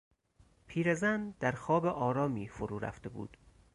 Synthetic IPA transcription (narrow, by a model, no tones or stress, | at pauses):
pʰiːɾezænd̪æɾxɒːbeʔɒːɾɒːmiːfoɾuːɾæ̰ft̪e̞bṵːd̪̥